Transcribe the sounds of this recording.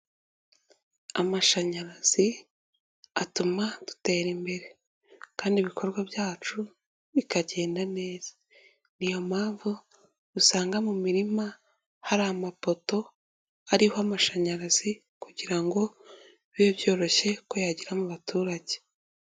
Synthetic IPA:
amaʃaɲaɾaz̥i | atumadu̥te̞ːɾimbe̞ɾe̞ | kaːndiβikʰo̞ɾɡwaβjaːt͡ʃu | βikaɟe̞ːndane̞ːz̥ḁ | nijo̞maːɱvu | dusaːŋɡamumiɾima | haɾamafo̞to̞ | aɾihoamaʃaɲaɾazi | kuɟiɾaŋɡo̞ | βobjo̞ːɾo̞çe̞ko̞jaɟiɾamuβatuːɾaɟe

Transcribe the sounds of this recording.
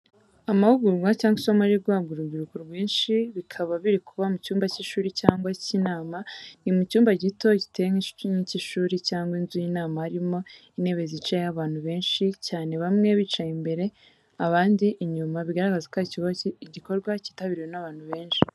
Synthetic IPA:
amahuɡuɾɡwacaːŋɡwisomaɾiɾɡwaːbɡuɾuɡiɾukuɾɡwiːnʃiβikʰaβaβiɾikʰuβamucuːmbaciʃuːɾicaːŋɡwacinaːmanimucuːmbaɟito̞ɟite̞jeŋiŋiciʃuːɾicaːŋɡwinzujinaːmahaɾimo̞ine̞ːβe̞zit͡ʃajejaβaːn̥huβe̞ːnʃicaːne̞βamŋe̞βiːt͡ʃajimbe̞ɾe̞ | aβaːndiʔːɲumaβiɡaɾaɡazakwaiciɟiko̞ɾɡwaci̥taβiɾiwe̞naβaːn̥huβe̞ːnʃi̥

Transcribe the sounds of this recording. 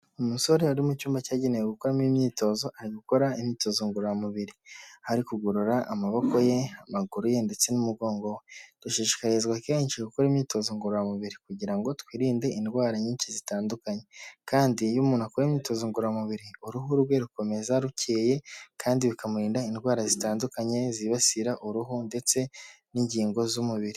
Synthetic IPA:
umuso̞ɾeaɾimucuːmbacaːɟenejeɡukoɾamimɲiːto̞zo̞ʔaɾiɡuko̞ɾaimɲiːto̞ːzoŋɡuɾojamuβiɾihaɾikuɡuɾuɾaʔamaβo̞ko̞je̞amaɡuɾujende̞t͡se̞numuɡo̞ːŋɡowed̥uʃiːʃi̥kaɾezɡwakeɲʃikukoɾimɲiːto̞ːzoŋɡuɾojamuβiɾikuɟiɾaŋɡo̞twiːɾiːnde̞indɡwaːɾaɲiːɲt͡ʃizitaːndukaɲe̞kaːndijumuːn̤akoɾemɲiːto̞zoŋɡuɾɾamuβiɾiuɾuɦuɾɡwe̞ɾuko̞me̞zaɾuceːje̞kʰaːndiβikamuɾiːndainwaːɾazitaːndukaɲe̞ziβasiɾaʔuɾuɦunde̞t͡se̞ | niɲɟiːŋɡo̞zumuβiɾi

